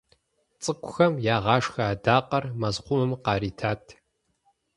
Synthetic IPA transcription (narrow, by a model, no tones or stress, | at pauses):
t͡sʼɨkʷʰʼʊxɐmjaːʁɑːʂxɐːdaːqʼɐrmɐzqʷʊmɨmqɑːɾiːtʰaːtʰ